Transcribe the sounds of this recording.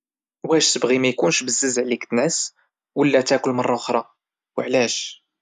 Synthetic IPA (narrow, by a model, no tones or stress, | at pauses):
wæʃsəbʁimæjkunʃbəzːəzʕlikt̪nʕəs | wəlːæt̪ækʷəlmɑrˤːɑʊxɾˤɑ | wəʕlæʃ